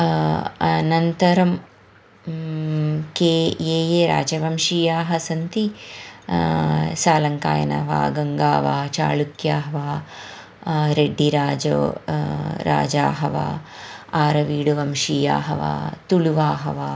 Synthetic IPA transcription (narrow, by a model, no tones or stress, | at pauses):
ɐnɐnt̪ɐɾɐm | keːeːjeɾa̰ːd͡ʒɐʋɐmʃiːjaːɦɐsɐnt̪i | saːlɐŋka̰ːjɐ̰nɐ̰ʋa̰ːɡɐŋɡaːʋa̰ːt͡ʃa̰ːlukjaːɦɐʋaː | ɾeɖːiɾaːd͡ʒɐ̰ | ɾa̰ːd͡ʒa̰ːɦɐʋa̰ːaːɾɐʋiːɽuʋɐmʃiːja̰ːɦɐʋa̰ːt̪uluʋaːɦɐʋaː